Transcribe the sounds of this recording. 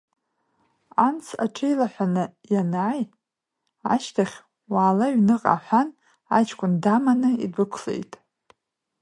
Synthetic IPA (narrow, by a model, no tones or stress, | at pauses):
ant͡sʰa̰ʈ͡ʂʰejlaħʷanɨjanaːj | a̰ʃtʰaχʲ | waːlaɥnɨqʼa̰ħʷan | a̰t͡ʃʰkʷʰʼʊndamanɨḭdɨkʷʰɬḛjtʼ